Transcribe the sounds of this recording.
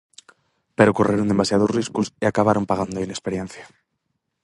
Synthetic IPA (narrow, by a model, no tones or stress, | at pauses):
pe̞ɾokorʔeɾond̪e̞masjaðozriskusiakaβaɾo̞mpaɣand̪oinespe̞ɾje̞nθjḁ